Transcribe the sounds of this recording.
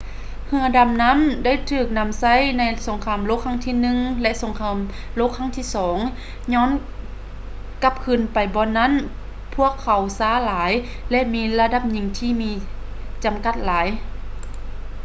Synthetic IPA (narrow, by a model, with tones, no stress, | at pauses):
hɯ˧ɐda˧˩mna˧˥˨mda˥˨jt̪ʰɯː˧˩k̚na˧˥˨msa˧˥˨jna˧jso˨˩˦ŋkʰaː˧˩˨mloː˧˥kʰːa˧˥˨ŋt̪ʰiː˧˨nɯ˧ŋlɛ˧ʔso˨˦ŋkʰaː˧˥m | loː˧˥˨kʰːa˧˥˨ŋt̪ʰiː˧˥˨sɔː˨˦ŋ | ɲɔː˧˥˨n | ka˧˥p̚kʰɯ˧˩npa˨˩jbɔː˧nːa˧˥˨n | pʰu˧˥˩əkʰːa˨˩wsaː˧˩laː˨˦j | lɛ˧ʔmiː˧la˧da˧˩p̚ɲɯ˧˩ŋt̪ʰiː˧˨miː˧ | t͡ɕa˨mka˧˩t̪̚laː˨˦j